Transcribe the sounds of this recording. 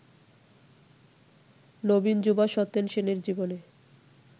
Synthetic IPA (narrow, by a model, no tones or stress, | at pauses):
nobind͡ʑubaʃɔt̪ːenʃeneɾd͡ʑibone